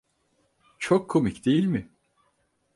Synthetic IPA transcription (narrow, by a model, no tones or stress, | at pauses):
t͡ʃʰokʰːomicd̪e̞jilʲmɪ